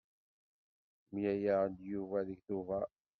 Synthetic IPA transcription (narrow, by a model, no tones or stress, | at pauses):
mijæjand̪juvæðiçθuvæ